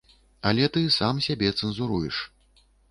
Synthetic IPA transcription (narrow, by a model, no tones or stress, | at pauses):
ɐlʲɛt̪ɨsamsʲabʲɛt̪sɛnzuɾujɛʂ